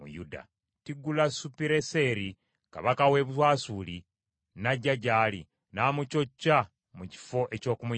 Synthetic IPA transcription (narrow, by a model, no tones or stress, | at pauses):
mṵjuda̰ | tiɡulasupiɾese̞ɾi | ka̰βakawe̞ːβutwaːsuli | naɟːaɟaːli | naːmuco̞cːa | muci̥fo̞ʔe̞co̞ːkumu